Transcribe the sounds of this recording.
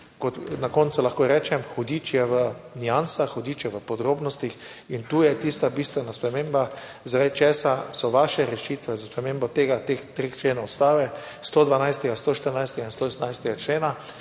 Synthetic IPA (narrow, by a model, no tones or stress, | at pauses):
kɔt̪nakont̪sulaxkoɾɛːt͡ʃɛmxɔd̪iːt͡ʃjɛʋənijansaxxɔd̪iːt͡ʃjɛʋəpɔd̪ɾoːbnɔst̪ix | int̪uːjɛt̪ist̪abist̪ʋɛnaspɾɛmeːmba | zɾɛjt͡ʃɛːsasɔʋaʃɛɾɛʃit̪ʋɛzaspɾɛmeːmbɔt̪eːɡat̪ext̪ɾext͡ʃleːnɔwɔst̪aːʋɛ | st̪od̪ʋanajst̪ɛɡast̪oʃt̪əɾnajst̪ɛɡainst̪oːɛsnajst̪ɛɡat͡ʃleːna